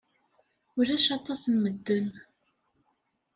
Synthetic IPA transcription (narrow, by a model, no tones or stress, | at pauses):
ʊɾæʃɑt̪ˤːɑsnməd̪ːʊn